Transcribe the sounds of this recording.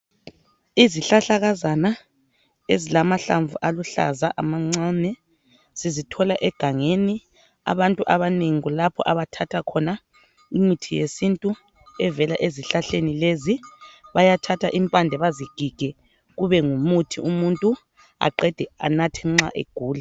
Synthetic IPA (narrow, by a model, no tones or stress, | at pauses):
iziɬaɬaɣazana | ezilamaɬa̰ɱvuʔaluɬa̰zaʔamaŋ͡ǀanɛ | z̥izitʰɔlaʔɛɡ̥ʱaŋeni | a̰βantʼuʔaβaneŋiɣulapʰɔ̰ʔaβatʰatʰakʰɔna | imitʰijesintʼu | ɛvɛlaʔeziɬaɬenileziβajatʰatʰaʔimpʼandʱɛβaziɡ̥ʱiɡ̥ʱɛ | ɣuβɛŋumutʰiumuntʼu | a̰ǃɛd̥ʱɛa̰natʰɛŋ͡ǁa̰ʔḛɡ̥ʱuːla